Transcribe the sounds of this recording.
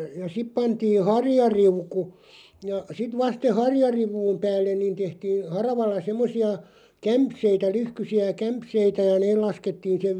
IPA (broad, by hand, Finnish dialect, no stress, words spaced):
jɑ sip pɑntiː hɑrjɑriuku jɑ sit ʋɑst se hɑrjɑriʋˑuːm pæːlːen niːn tehtiːn̞ hɑrɑʋɑlːɑ semːosiɑ kæmpseitæ lyhkysiæ kæmpseitæ jɑ neːl lɑsketːiːn̞ seʋ